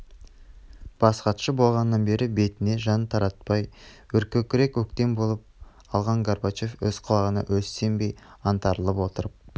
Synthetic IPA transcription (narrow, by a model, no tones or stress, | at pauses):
b̥ɑsqɑt̪ʃəbo̞lˠʁɑnəːɑnbe̞ɾɪbe̞t̪ɪne̞ʒɑnt̪ʰɑɾɑt̪̚pɑjwɵɾkʲɵkʲɪɾe̞kwɵkt̪e̞mbo̞lˠəp̚ | ɑlˠʁɑɴɡaɾbat͡ʃe̞fɵz̥qʰɑlˠɑʁənɑ̰ʔwɵsːe̞mbe̞jɑnt̪ɑɾəlˠəpwo̞t̪əɾəp̚